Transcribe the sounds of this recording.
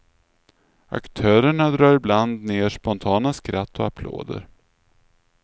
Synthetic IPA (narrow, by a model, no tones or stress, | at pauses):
a̰kt̪ʰœːɾəɳad̪ɾɑːɾɪbland̪neːʂpɔnt̪ʰɑːnaskɾat̪ːɔapʰlo̰ːd̪ə̰ɾ